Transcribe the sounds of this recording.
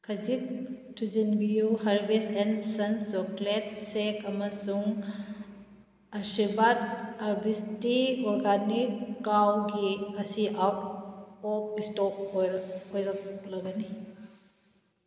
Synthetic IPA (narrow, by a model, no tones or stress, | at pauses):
kʰɐzik̚tʰuzinbijuɦaɾbesɛnsɐnt͡ʃɔklet̚sekamɐsuŋ | ɐsibat̚aɾbistiɔɾɡanikːawɡiɐsiʔa | ɔp̚istɔp̚jɾɔjɾɐk̚lɐɡani